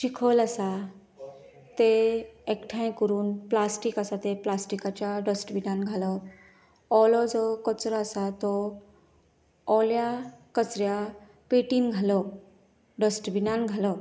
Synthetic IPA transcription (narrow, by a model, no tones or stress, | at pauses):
ɕikʰələsa | t̪eekʈʰãj̃kəɾuːnplasʈikasat̪eplasʈikat͡ɕjaɖəsʈbinanɡʱalɔ | ɔlɔd͡zɔkət͡sɾəasat̪ɔ | ɔljakət͡sɾja | peʈiːnɡʱalɔ | ɖəsʈbinanɡʱalɔ